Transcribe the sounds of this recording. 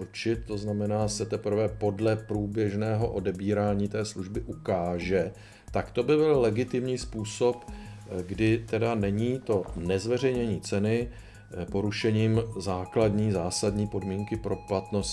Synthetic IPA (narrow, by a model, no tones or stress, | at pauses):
ɾt͡ʃɪt̪̚t̪o̞znamɛnaːsɛt̪ɛpɾ̩vɛpo̞dlɛpɾuːbjɛʒnɛːɦo̞ʔo̞dɛbiːɾaːɲiːt̪ɛːsluʒbɪʔukaːʒɛ | t̪akt̪o̞bɪbɪllɛɡɪt̪ɪmɲiːspuːso̞pɡdɪt̪ɛdanɛɲiːt̪o̞nɛzvɛr̝ɛjɲɛɲiːt͡sɛnɪ | po̞ɾuʃɛɲiːmzaːkladɲiːzaːsadɲiːpo̞dmiːŋkɪpɾo̞plat̪no̞s